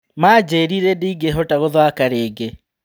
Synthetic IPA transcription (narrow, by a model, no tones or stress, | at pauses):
maːd͡ʑeːɾiɾediːɡeɦotaɣoðwakaɾeːɡe